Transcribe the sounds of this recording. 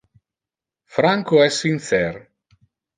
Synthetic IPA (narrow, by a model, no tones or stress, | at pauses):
fɾaŋkoɛsːint̪sɛr